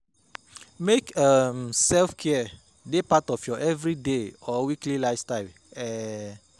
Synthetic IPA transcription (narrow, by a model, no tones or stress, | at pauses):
mekə̃msɛlfkʰɛə | depatɔfjɔʔɛvɹideɔwiklilajfstajl | ɛ